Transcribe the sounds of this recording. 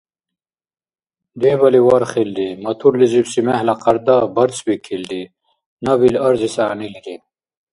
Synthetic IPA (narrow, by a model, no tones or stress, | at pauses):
d̪ebɐliwɐɾχild̪imɐt̪ʰuɾlizibsimehlɐqɐɾd̪abɐɾt͡sbikʰild̪i | nɐbilɐɾzisaːniliɾi